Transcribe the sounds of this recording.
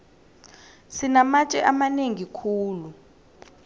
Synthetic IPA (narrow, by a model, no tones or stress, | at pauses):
sinamat͡ʃʼɛ̰ʔamaneŋikʰuːlu